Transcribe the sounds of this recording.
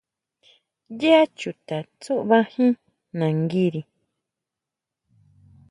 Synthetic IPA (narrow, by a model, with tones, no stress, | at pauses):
je˦a˦t͡ʃu˨t̪a˨t͡su˦ʔβa˦hĩ˦ | nã˨ŋɡi˦ɾi˨